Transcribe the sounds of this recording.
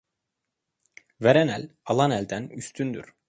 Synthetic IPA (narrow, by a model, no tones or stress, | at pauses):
veɾænælʲalˠanælʲd̪ænyst̪ʰynd̪y̰ɾ̥